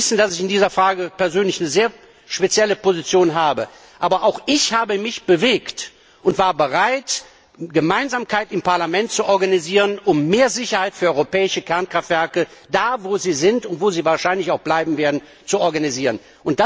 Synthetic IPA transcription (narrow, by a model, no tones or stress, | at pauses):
sn̩d̥asɪçɪndiːzɐfʁ̥aːɡəpɛɐzøːnlɪçnəzeːɐ | ʃpet͡sjɛləpozit͡sjoːnɦaːbə | ʔaːbɐʔaʊxʔɪçhaːbəmɪçb̥əveːkt | ʔʊntv̥aːɐbəʁaɪt | ɡəmaɪnzaːmkʰaɪtɪmpaɐlamɛnt̚t͡suʔɔɐɡaniziːʁənʊmːeːɐzɪçɐhaɪtfyːɐɔʏʁopɛːɪʃəkʰɛɐnkʁ̥aftv̥ɛɐkəd̥aːvoːziːzɪntʊntv̥oːziːvaːɐʃaɪnlɪçaʊxb̥laɪbm̩veːɐdn̩ | t͡suɔɐɡaniziːʁən | ʔʊnt̚d̥a